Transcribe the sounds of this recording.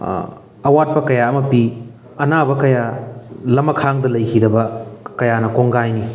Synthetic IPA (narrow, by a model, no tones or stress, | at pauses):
ɐwat̚pɐkɐjaɐmɐpi | ɐnabɐkɐjalɐmɐkʰaŋdɐlɐjkʰidɐbɐkɐjanɐkoŋɡajni